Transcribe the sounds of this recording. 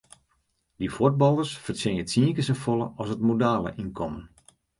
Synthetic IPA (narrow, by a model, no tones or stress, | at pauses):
difot̚bɑlˠərsfərsɪətsiəkəsəfolˠə̰ɔsətmodaːlˠə̰ʔinkʰɔmən